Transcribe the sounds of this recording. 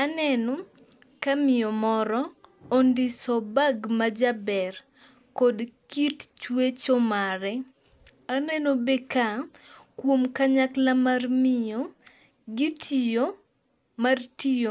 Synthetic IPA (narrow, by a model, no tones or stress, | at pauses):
anɛno | kamɪjɔmɔɾɔondisɔbaɡmad͡ʒabɛr | kodkitt͡ʃwet͡ʃomaɾɛ | anɛnobekakwomkaɲaklamarmɪjo | ɡitʰijo | martio